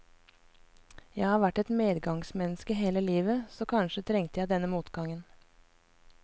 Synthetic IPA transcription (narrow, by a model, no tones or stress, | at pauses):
jæɪhɑːɾʋæʈɛt̪meːd̪ɡɑŋsmɛnəskəɦeːləliːʋəsoːkʰɑnʃət̪ʰɾɛŋt̪əjæɪd̪ɛnəmuːt̪ɡɑŋən